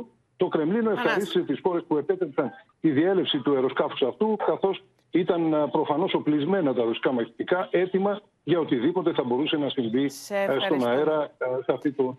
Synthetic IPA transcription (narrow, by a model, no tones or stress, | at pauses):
t̪o̞kɾe̞mlino̞e̞fxɐɾist̪i̥set̪isxo̞ɾe̞spue̞pe̞t̪epsɐn | t̪iðie̞le̞psit̪ue̞ɾo̞skɐfu̥sɐft̪ukɐθo̞s | it̪ɐnpɾo̞fɐno̞so̞plizme̞nɐt̪ɐɾosi̥kɐmɐçet̪ikɐʔe̞t̪imɐ | ʝɐo̞t̪iðipo̞t̪e̞θɐbo̞ɾuse̞nɐsiɱvist̪o̞nɐeɾɐsɐft̪it̪o